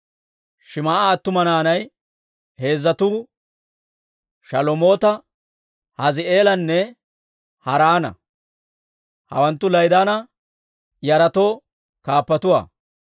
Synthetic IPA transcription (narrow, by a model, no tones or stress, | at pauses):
ʃɪmaːʔaːt̪ːʊmɐnaːnɐj | he̞ːzːɐt̪uː | ʃɐlɔmo̞ːt̪ɐ | hɐzɪe̞ːlɐnːɛ | hɐɾaːnɐ̰ | hɐ̰wɐnt̪ːʊlɐjd̪aːnɐ | jɐɾɐt̪o̞ː | kaːpːɐt̪ʊwa̰ː